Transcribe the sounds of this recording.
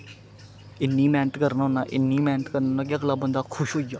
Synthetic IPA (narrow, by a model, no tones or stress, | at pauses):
ɪnːiːmɛːnʈkəɾnːɦõːnaːʔɪnːiːmɛ̃ːnʈkəɾnoːnaːk̬ɪəkləbːə̃nd̪aːkʰʊʃɦoːid͡ʒaː